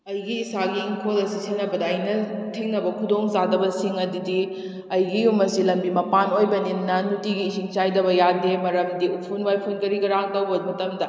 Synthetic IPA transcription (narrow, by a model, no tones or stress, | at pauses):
ɐjɡiːsaɡiːŋkʰolɐsisenɐbɐdɐːjnɐtʰeŋnɐbɐkʰudoŋzadɐbɐsiŋɐdidi | ɐjɡijumɐsilɐmbimɐpanojbɐninːɐnutiɡiːsiŋt͡ʃajdɐbɐjademɐɾɐmdiupʰunwajpʰunkɐɾiɡɐɾaŋtɐwbɐmɐtɐmdɐ